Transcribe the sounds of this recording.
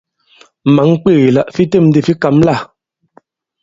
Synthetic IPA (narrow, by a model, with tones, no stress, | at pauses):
ma˨˦ŋk͡peː˦˨la˦ʔfi˦te˦˨m˦di˦˨fi˦ka˨˦mla˦˨